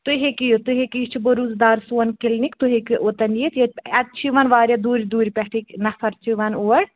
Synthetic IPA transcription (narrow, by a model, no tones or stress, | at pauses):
t̪uɦekijt̪uɦekit͡ʃʰiboɾuzd̪aːɾsuɐnkilnikt̪uɦekiʔot̪ɐnjit̪jɐɐt̪̚t͡ʃʰiʋɐnʋaːɾʲjɐd̪uːɾid̪uːɾʲipʲɛʈʰiknɐfʰɐɾt͡ʃʰiʋɐnoɐɽ